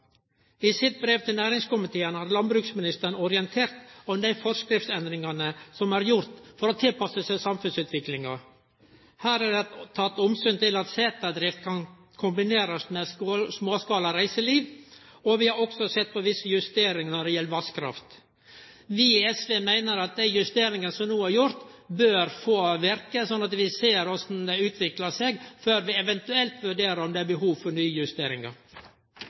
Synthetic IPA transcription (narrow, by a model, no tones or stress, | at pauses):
ɪsɪt̪̚bɾeːʋt̪ʰɪlnæːɾɪŋskʊmɪt̪ʰeːənhɑːɾlɑnbɾʉːksmɪnɪst̪əɳɔɾɪɛnt̪ʰeːɾt̪ɔmd̪æɪfɔɾskɾɪft̪sɛnd̪ɾɪŋɑnəsɔmæɾjʊɾt̪fɔɾɔːt̪ʰɪlpɑsəsæsɑmfʉnsʉːt̪ʋɪklɪŋɑ | hæːɾæɖɛt̪ʰːɑt̪ːɔmsyːnt̪ʰɪlɑt̪seːt̪ɑd̪ɾɪft̪̚kʰɑn | kʰʊmbɪneːɾɑsmɛssmoːskɑːlɑɾæɪsəliːʋ | ɔʋɪhɑɾɔksɔsɛt̪̚ːpʰɔʋɪsːəjʉst̪eːɾɪŋnɔɖɛjɛlʋɑskʰɾɑ̰ft̪ | ʋɪɛsʋeːmæɪnəɾɑt̪̚d̪æɪjʉst̪eːɾɪŋənsɔmnuːæɾjʊɾt̪ | bøːɾfoːʋɛɾkəsɔnːɑt̪ʋɪseːɾɔsnd̪ɛʉːt̪ʰʋɪklɑseɡføːɾʋɪɛʋɛnt̪ʉɛlt̪ʋʉɖeːɾəɾɔmd̪ɛæːbəhuːʋfɔɾɳyːjʉst̪eːɾɪŋɑ̰ɾ